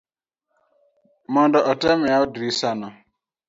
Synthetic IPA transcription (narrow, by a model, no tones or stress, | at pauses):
mɔndɔʔɔtɛmɛaɔdɾisanɔ